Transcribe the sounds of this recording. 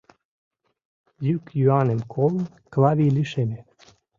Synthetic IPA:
jykjuɑnemkʰolˠn | klˠɑvʲijlʲiʃeme

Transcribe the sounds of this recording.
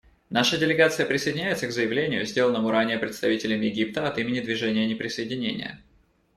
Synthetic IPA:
naʂədʲɪlʲɪɡat̪sɨjəpɾʲɪsəjdʲɪnʲæɪt̪səɡzəjɪvlʲenʲɪjʊ̰zʲdʲelənːəmʊɾanʲɪjəpɾʲɪt̪st̪ɐvʲitʲɪlʲɪmjɪɡʲip̚t̪əɐt̪imʲɪnʲɪd̪vʲɪʐɛnʲɪjənʲɪpɾʲɪsəjɪdʲɪnʲenʲɪ̰jə̰

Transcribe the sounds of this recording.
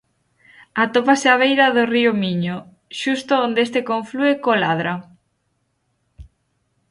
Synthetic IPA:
at̪opaseaβ̞ejɾɐðoriomiɲo | ʃust̪oond̪es̬t̪ekoɱfluekolaðɾa

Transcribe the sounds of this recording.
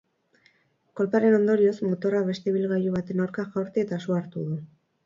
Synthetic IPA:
ko̞lpaɾe̞no̞nd̪o̞ɾio̞smo̞t̪o̞raβe̞st̪e̞βilɣajuβ̞at̪e̞nawɾkaxawɾt̪eet̪asuaɾt̪uðu

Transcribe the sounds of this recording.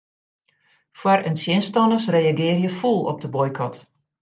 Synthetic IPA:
fwarənsjɪnstɔnəsrejaɡɪːrjəfulˠɔ̰p̚dəbɔjkʰɔt

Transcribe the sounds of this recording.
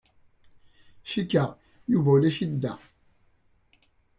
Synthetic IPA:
ʃikːəʁ | juvæwlæʃid̪ːæ

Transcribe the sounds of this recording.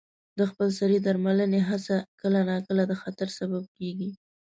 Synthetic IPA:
d̪əxpəlsaɾid̪aɾmaləneɦasakəlanakəlad̪əxat̪aɾsabab̚keɡi

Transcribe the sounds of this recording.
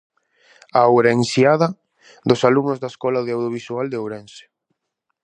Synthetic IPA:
aowɾeeŋsjaða | d̪osaluŋnozðaeskɔlaðeawðjoβ̞isuald̪eowɾɛnse̥

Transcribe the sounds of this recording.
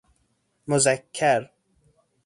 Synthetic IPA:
mʊzækʰːaɾ

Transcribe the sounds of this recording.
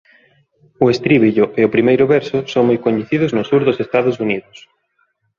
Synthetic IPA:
ʊest̪ɾiβiʎʊʔeʊpɾimejɾʊβɛɾsʊsoŋmojkoɲeθiðʊznʊsuɾðʊsest̪aðʊsuniðʊs

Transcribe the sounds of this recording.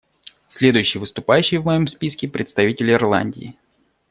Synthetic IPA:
sʲlʲe̞d̪ʊjʉɕːɪjvɨst̪ʊpajʉɕːɪjvmɐjo̞mspʲiskʲɪpɾʲɪt̪st̪ɐvʲitʲɪlʲɪɪrlˠa̰nʲdʲɪ̰ː

